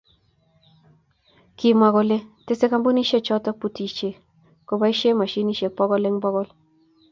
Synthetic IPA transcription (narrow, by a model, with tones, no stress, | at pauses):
ki˨ma˨ɡɔ˨le˦te˦se˦ka˦mbo˦ni˦ʃe˦t͡ʃɔ˦tɔ˦pu˨ti˨t͡ʃe˨ | ko˨ba˦i˦ʃe˦ma˨ʃi˦ni˦ʃe˨k̚pɔ˦ɡɔ˦le˦ŋbɔ˦ɡɔ˦l